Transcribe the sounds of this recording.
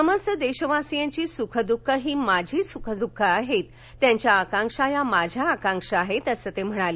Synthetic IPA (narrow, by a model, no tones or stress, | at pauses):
səməst̪əd̪eɕəʋasijãɲt͡ɕiːsukʰəd̪ukʰːəɦiːmad͡ʑʱiːsukʰəd̪ukʰːəaɦet̪ | tːjãɲt͡ɕjaːkãŋkʂajamad͡ʑʱjaːkãŋkʂəaɦet̪əsət̪em̤əɽ̃aliː